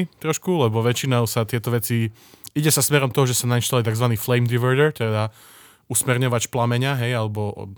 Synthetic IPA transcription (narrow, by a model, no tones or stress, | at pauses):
it̪ɾɔʃkulɛbɔʋɛt͡ʃinaʊsat̪ɪɛt̪ɔʋɛt͡si | iɟɛsasmɛɾɔmt̪ɔɦɔʒɛsanainʃt̪alit̪aɡzʋaniːflɛjmd̪iʋɛɾd̪ɛɾt̪ɛd̪a | usmɛɾɲɔʋacplamɛɲɪaɦɛjalɛbɔ